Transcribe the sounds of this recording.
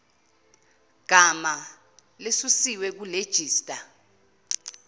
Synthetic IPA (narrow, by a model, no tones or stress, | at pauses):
ɡ̥ʱama | lesusiwɛk̬uled̥ʒ̥ʱiːstʼa